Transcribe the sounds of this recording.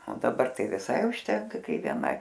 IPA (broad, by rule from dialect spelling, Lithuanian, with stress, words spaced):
oː dɐˈbɐr ˈtɐɪ ʋʲɪˈsɐɪ ʊʃʲˈtʲɛŋkɐ ˈkɐɪ ʋʲiɛˈnɐɪ